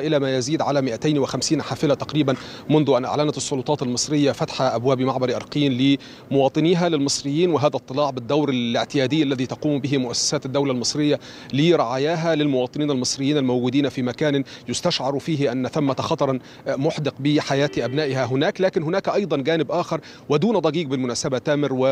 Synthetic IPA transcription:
ʔɪlæːmæːjaziːd̪ʕalæmɪʔæt̪ajnwɪxæmsiːnħaːfɪlat̪ɑqɾiːbænmʊnðʊʔanʔa̰ʕlænæt̪sˤːʊlʊt̪ˤɑːt̪almɨsˤɾɪjːafæt̪ħaʔabwæːbmaʕbɑɾiʔɑɾˤqiːnlɪ | mʊwɑːt̪ˤɨniɦalɪlmɨsˤɾɪjːiːnwɪɦaːðæʔt̪ˤːɨlɑːʕbɪd̪ːawɾalɪʕt̪ɪjæːd̪ɪjːalːæðiːt̪ɑquːmbɪɦɪmʊʔæsːæ̥saːt̪ɪd̪ːawlalmɨsˤɾɪjːa | lɪɾˤɑʕaːjaːɦælɪlmʊwɑːt̪ˤɨniːnalmɨsˤɾɪjːiːnælmowɡuːd̪iːnfiːmækæːnjʊst̪aʃʕɑɾˤfiːɦɪʔanːθamːat̪xɑt̪ˤɑɾˤ | mʊħd̪ɪqbɪħajæːt̪ʔæbnaːʔɪhæɦʊnæːklæːkɪnɦʊnaːkʔɑjd̪ˤɑnɡæːnɪbʔaːxɑɾˤ | wɪd̪uːnd̪ˤɑɡiːɡbɪlmʊnæːsabat̪æːmɪɾwɪ

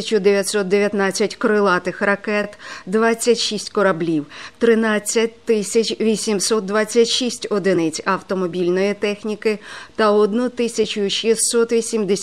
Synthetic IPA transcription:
t͡ʃʊd̪eʋʲjɐt̪ʲsɔt̪̚d̪eʋʲjɐt̪nɑt͡sʲːɐtʲkɔɾɪlˠɑt̪ɪxrɐkɛt̪d̪ʋɑt͡sʲːɐtʲʃisʲtʲkɔɾɐblʲiwt̪ɾɪnɑt͡sʲːɐtʲt̪ɪsʲɐt͡ʃʲʋʲisʲimsɔt̪̚d̪ʋɑt͡sʲːɐtʲʃisʲtʲɔd̪ɪnɪt͡sʲɐwt̪ɔmɔbʲilʲnɔjit̪ɛxnʲikɪt̪ɐɔd̪nut̪ɪsʲɐt͡ʃʊʃist̪sɔt̪ʋʲisʲimd̪e

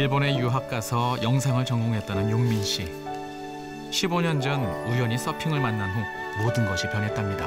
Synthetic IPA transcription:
iɭbone̞juɦap̚k͈asʰʌjʌŋs̬ʰaŋɯɭt͡ɕʌŋɡoŋɦe̞t͈̚anɯnjoŋminɕ͈i | ɕʰiboɲʌnd͡ʑʌnujʌɲis͈ʌpʰiŋɯɭmanːanɦu | modɯnɡʌɕʰipjʌnɦe̞t͈amɲida

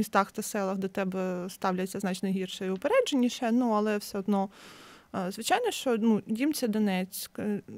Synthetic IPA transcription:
mʲist̪ɑxt̪ɐsɛlˠɐɣd̪ɛt̪ɛbɛst̪ɑwlʲɐt͡sʲːɐznɑt͡ʃnɐjɦirʃɔjʋʊpeɾɛd͡ʒenʲːiʃɛnuɐlˠɛwsɛɔd̪nɔ | zʋɪt͡ʃɑjnɔʃt͡ʃɔnudʲimt͡sʲɐd̪ɔnɛt͡sʲk

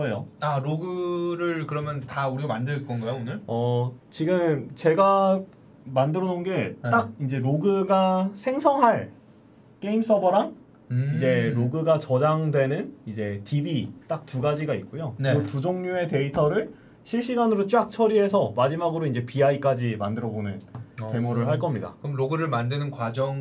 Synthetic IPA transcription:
kɯʌjoaɾoɡɯɾɯɭkɯɾʌmjʌntauɾiamandɯɭk͈ʌnɡʌjoonɯɭʌt͡ɕiɡɯmt͡ɕe̞ɡa | mandɯɾʌnonɡe̞t͈ak̚ind͡ʑe̞ɾoɡɯɡasʰe̞ŋsʰʌŋɦaɭ | k͈e̞ims͈ʌbʌɾaŋ | id͡ʑe̞ɾoɡɯɡat͡ɕʌd͡ʑaŋdwe̞nɯnid͡ʑe̞tibit͈ak̚tuɡad͡ʑiɡait̚k̚k͈ojonɯɯtud͡ʑoŋɲue̞te̞itʰʌɾɯɭ | ɕʰiɭɕ͈iɡanɯɾot͡ɕ͈ak̚t͡ɕʰʌɾiɦe̞sʰʌmad͡ʑimaɡɯɾoind͡ʑe̞piaik͈ad͡ʑimandɯɾʌbonɯnke̞muɾɯɭɦaɭk͈ʌmɲida̰kɯɯmɾoɡɯɾɯɭmandɯnɯnkwad͡ʑʌŋ

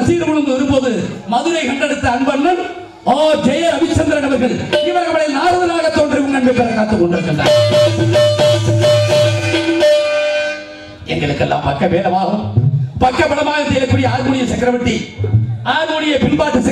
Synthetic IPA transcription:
siːɽɯmʊɭɯnd̪ɯʋɐɾɯmpoːðɯmɐðɯɾɐɪkɐɳɖɐɽɯt̪ːɐɐɳbɐnːɐm | oːd͡ʒɛjɐɐʋɪt͡ʃːɐnd̪ɪɾɐnɐmɐɾɣɐɭɪʋɐɾɐɐmɐɽɐɪnaːɾɐðɐlaːɣɐt̪ːoːɳɖɪɾɯkːɯmɡɐɳbɐpːɐɾɐkːaːt̪ːɯkːɔɳɖɪɾɯkːɐɳɖa̰ːn | ɛŋɡɐɭɯkːɛlːa̰ːmpɐkːɐʋeːɾɐmaːɣɯmpɐkːɐpːɐɽɐmaːɣɐsɛjlɐkːuɽɪjɐaːɾkuːɽɪjɐsɐkːɪɾɐʋɐʈːi | aːɾɣuːɽɪjɐpɪnbaːt̪ːɐsɐ

